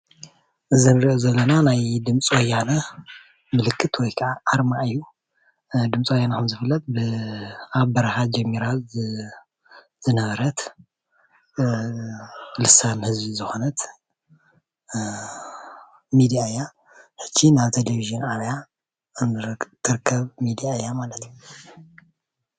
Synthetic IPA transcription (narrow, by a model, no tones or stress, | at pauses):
ʔɨzɨnɾiʔozɐlːɐnanajd̪ɨmt͡sʼwɔjːanɐ | mɨlɨkʰːɨt̪wɔjkʰɐʔaʔːɾmaʔɨjːu | d̪ɨmt͡sʼwɔjːanakʰɐmzɨfɨlːɐt̪̚ʼbɨ | aβbɐɾahad͡ʒɛmːiɾa | zɨnɐβɐɾɐt̪ | lɨsanhɨzbizɨxo̞nɐt̪ | mid̪ijaja | ħɨ̥t͡ʃːinaβt̪ʰeleβiʒɨnaβja | ɨnt̪ʰːɨɾɨkʰːɐβmid̪ijajːamalɐt̪ʰju